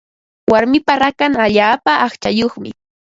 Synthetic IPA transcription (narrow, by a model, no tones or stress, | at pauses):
waɾmɪpaɾakaŋaʎaːpaʔːχt͡ʃajoχmɪ